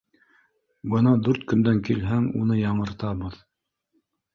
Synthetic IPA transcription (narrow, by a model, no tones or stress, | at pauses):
bɤnɑd̪ʉɾt̪̚kɵ̆nd̪æŋkilɦæŋṵnɤjɑɴɤ̆ɾt̪ɑβɤð